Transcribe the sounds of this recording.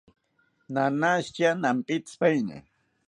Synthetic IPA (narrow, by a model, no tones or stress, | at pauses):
nanast͡ʃanampit̪spajna̰